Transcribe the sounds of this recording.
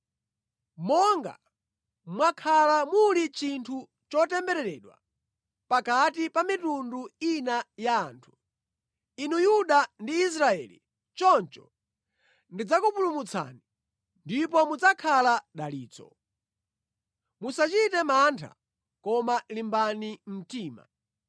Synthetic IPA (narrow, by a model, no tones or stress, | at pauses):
mɔŋɡa̰ | mwakʰalamulit͡ʃintʰu | t͡ʃɔtɛmbɛɾɛɾɛːɗwa̰ | pakatipamitunduinajaːntʰu̥ | inujuɗandiːs̬ɾaɛ̰lḭ | t͡ʃɔnt͡ʃɔ | ndid͡zakupulumut͡sʰa̰ːni | ndipɔmud͡zakʰalaɗaliːt͡sɔ̰ | musat͡ʃitɛmantʰa̰ | kɔmalimbanim̩tiːma̰